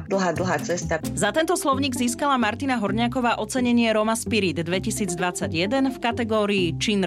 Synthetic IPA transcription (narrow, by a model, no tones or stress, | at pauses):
d̪l̩ˠɦaːd̪l̩ɦaːt͡sɛst̪azat̪ɛnt̪ɔslɔʊɲiɡziːskalamaɾt̪inaɦɔɾɲakɔʋaːʔɔt͡sɛɲɛɲɪɛɾɔmaspiɾid̪d̪ʋɛcisiːd͡zd̪ʋat͡sːaɟjɛd̪ɛnfkat̪ɛɡɔːɾiːt͡ʃin